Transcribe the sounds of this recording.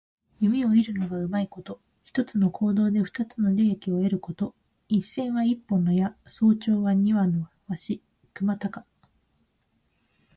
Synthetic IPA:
jɯ̟mʲio̞iɾɯ̟no̞ɡaɯ̟maiko̞t̪o̞ | çi̥t̪o̞t͡sɨno̞kʰo̞ːd̪o̞ːd̪e̞ɸɯ̥t̪at͡sɨno̞ɾʲeːekʲio̞e̞ɾɯ̟ko̞t̪o̞ | ĩsẽ̞ɰ̃βaipːõ̞nːo̞jaso̞ːt͡ɕo̞ːβaɲ̟iβano̞ | βaɕi | kɯ̟mat̪akḁ

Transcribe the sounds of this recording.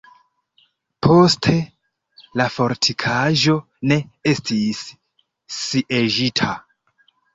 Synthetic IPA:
pʰo̞stʰe̞ | lafo̞ɾtʰikʰaʒo̞ | ne̞e̞stʰisː | iʔeʒitʰa

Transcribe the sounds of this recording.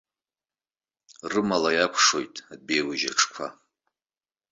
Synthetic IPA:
rɨmalajakʷʰʂo̞jtʼabejwʊʒaʈ͡ʂʰkʷʰa̰

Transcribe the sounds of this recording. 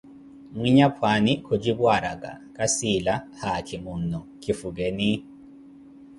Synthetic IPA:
ŋwiɲapʰwanikʰod͡ʒibwaɾaɡa̰kʼasilahakʰimunɔkʰifuɡɛni

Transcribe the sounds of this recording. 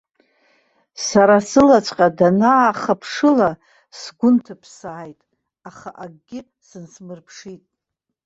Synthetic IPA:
saɾasɨlat͡ʃʷʼqʼadanaːχapʰʂɨla | sɡʷʊntʰapʰsaːjtʼ | aχaʔaɡɡʲɪ | sɨnsmɨrpʰʂitʼ

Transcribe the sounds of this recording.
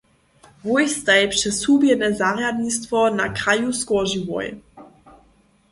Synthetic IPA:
vojst̪aɛpʂɛsubjɛnɛzaɾjad̪nist̪vɔnakɾajuskɔʒivɔ̰j

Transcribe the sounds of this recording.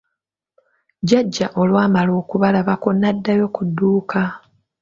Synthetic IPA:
ɟaɟːaʔo̞lwaːmalo̞ːkuβalaβakonːadːajo̞kudːuːka

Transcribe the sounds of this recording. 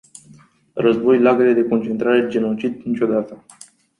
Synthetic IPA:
rəzbo̞jlaɡeled̪e̞ko̞nt͡ʃe̞nt̪ɾaɾe̞d͡ʒe̞no̞t͡ʃid̪nit͡ʃʲo̞d̪at̪ə

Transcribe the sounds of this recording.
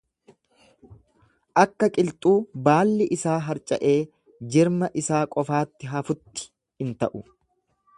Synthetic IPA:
ʔɐkːɐkʼɪlt̪ʼuːbaːlːɪʔɪsaːɦɐɾt͡ʃʼɐ̰ʔe̞ː | d͡ʒɪɾmɐʔɪsaːkʼɔfaːt̪ːɪɦɐfʊt̪ːɪ̥ | hɪnt̪ɐʔʊ

